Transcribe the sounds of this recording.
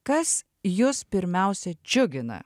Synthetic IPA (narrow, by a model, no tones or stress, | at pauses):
kɐs | jʊspʲɪɾʲmʲɛˑʊsʲɛd͡ʒʲʊɡʲɪnɐ̰